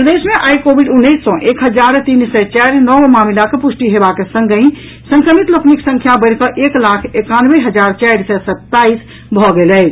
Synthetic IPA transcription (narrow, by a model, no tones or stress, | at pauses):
pɾəd̪esmẽʔajkobʱiɖunːəjsːɔ̃ʔekɦəd͡ʒaɾt̪insɛt͡ʃaɾnɔʋmamilakepusʈiɦebakesə̃ŋɡəĩ | sə̃ŋkɾəmit̪ləkʰmiksə̃ŋkʰjabəɪɾkəʔeklakʰekanʋeɦəd͡ʒaɾt͡ʃaɾsɛsət̪ːais | bʱɔɡelɛ